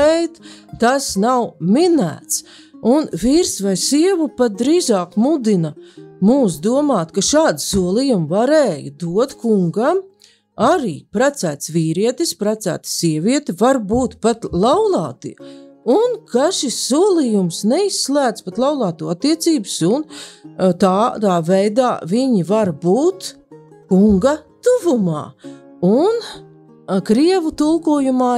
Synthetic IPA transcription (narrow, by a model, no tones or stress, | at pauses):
ejt̪t̪asnawminæ̰ːt̪s | unviɾsvajsiɛvupat̪̚d̪ɾiːzɑːkmud̪inɐmuːs̬d̪uɔmɑːt̪kaʃaːd̪suɔlˠijumvaɾeːjd̪uɔt̪kuŋɡam | aɾḭːpɾat̪sæːt̪sviːɾiɛt̪ispɾat̪sæ̰ːt̪siɛviɛt̪ivaɾbuːt̪pat̪lˠawlˠɑːt̪ḭunkaʃisːuɔlˠijumsnɛisːlˠæːd̪spat̪lˠawlˠɑːt̪uːat̪ːiɛt̪siːbʊsunt̪aːd̪aːvɛjd̪aːviɲivaɾbuːt̪ | kuŋɡɐt̪uvumɑ̰ːun | kɾiɛvut̪ulˠkuɔjumaː